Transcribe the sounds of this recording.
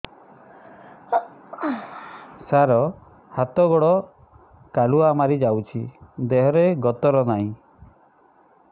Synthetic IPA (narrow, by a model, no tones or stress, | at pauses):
saɾɔ | hat̪ɔɡɔɽɔ | kaluaːmaɾid͡ʒawt͡ʃʰid̪eɦɔɾeɡɔt̪ɔɾɔnaɦĩ